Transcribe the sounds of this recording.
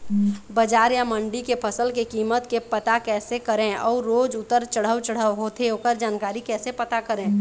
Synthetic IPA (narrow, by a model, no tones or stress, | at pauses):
bəd͡ʒaːɾjaməɳɖikepʰəsəlkekiːmət̪kepət̪akɛːsekəɾẽɔːɾːoːd͡ʒʊt̪ːəɾt͡ʃəɽ̤əwt͡ʃəɽ̤əʋɦoːt̪ʰeɦoːkəɾd͡ʒaːnkaːɾikɛːsepət̪akəɾẽː